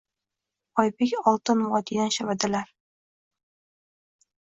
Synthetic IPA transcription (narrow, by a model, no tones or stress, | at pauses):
ɒjbekʲɒlˠt̪ʰɪnwɒt̪ʰid̪anʃavad̪ɪlaɾ